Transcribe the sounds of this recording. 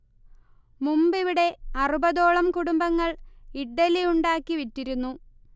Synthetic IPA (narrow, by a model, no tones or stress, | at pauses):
mumbiʋiɽe̞ɐrubɐðo̞ːɭɐmkuɽumbɐŋːɐɭiɖːɐlijuɳɖaːkːiʋitːiɾunːu